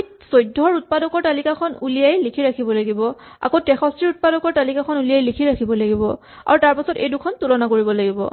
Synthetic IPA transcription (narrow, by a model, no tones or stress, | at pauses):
sojdʱːɔɹut̚padɔkɔɹtalikakʰɔnulijajlikʰiɹakʰibɔlaɡibɔ | a̰kotɛxɔstiɹut̚padɔkɔɹtalikakʰɔnulijajlikʰiɹakʰibɔlaɡibɔ | a̰ɹutaɹpasɔtḛjdukʰɔntulɔnakoɹibɔlaɡibɔ̰